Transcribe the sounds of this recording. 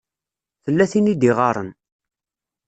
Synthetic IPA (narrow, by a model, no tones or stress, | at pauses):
θəlːæθinid̪iʁɑɾˤə̰n